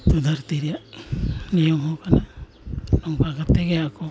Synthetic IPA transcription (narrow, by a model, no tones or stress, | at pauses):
t̪ud̪ʱaɾt̪iɾija | nijɔmɦɔkʰana | nɔŋpakat̪ːeɡeakʰɔ